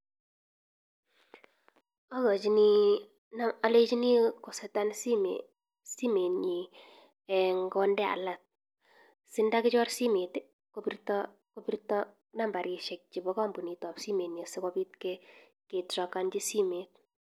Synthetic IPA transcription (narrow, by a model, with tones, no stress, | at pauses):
a˦ɡɔ˨t͡ʃi˨ni˦ | naa˨let͡ʃi˦ni˦kɔ˨sɛtansi˦me | si˦me˨ni˨ | ɛŋɡɔndɛ˦a̰˨lat̚ | sɪ˦nda˦kɪ˦t͡ʃɔ˦rsi˦me˨tɪ˦ | kopirtɔ | kopirtɔ | namba˨ɾi˨ʃɛ˨k̚t͡ʃi˨bɔka˦mbu˨ni˨tɔ˨psi˦me˨nesɪ˦kɔpi˦t̚kɛ | ke˨trɔkand͡ʒi˦si˦me˨t̚